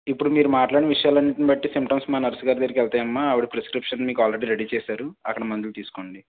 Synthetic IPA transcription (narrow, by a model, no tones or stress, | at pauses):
ipːuɽumiːɾumaːʈlaːɽinɐʋiʂɐjaːlɐnːiʈnibɐʈːisimʈɐmsmaːnɐɾsuɡaːɾid̪eːɾkɛlt̪aːjɐmːaːɐʋuɽipɾeskɾipʂɐnmiːkaːlɾeɽiːɾeɽiːt͡ʃɛːsaːɾuɐ̰kːɐɽɐmɐnd̪ulut̪iːsu̥ko̞ːɳɖi